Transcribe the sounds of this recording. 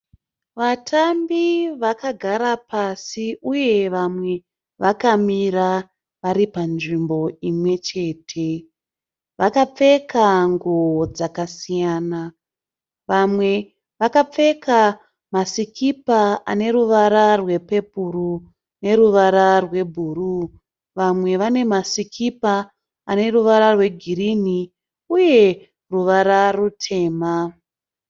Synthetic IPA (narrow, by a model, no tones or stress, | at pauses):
ʋatʰambiʋakaɡʱaɾapasiʔuje̞ʋamwe̞ | ʋakamiɾa | ʋaɾipanʐimbo̞imwe̞t͡ʃe̞ːtʰe̞ | ʋakap͡fe̞kaŋɡod͡zakasijaːna | ʋamwe̞ | ʋakap͡fe̞kʰa | masikʰipaane̞ruʋaɾarwe̞pe̞puru | ne̞ruʋaɾarwe̞bʱuru | ʋamwe̞ʋane̞masikʰipa | ane̞ruʋaɾarwe̞ɡʱiɾini | uje̞ | ruʋaɾarutʰe̞ːma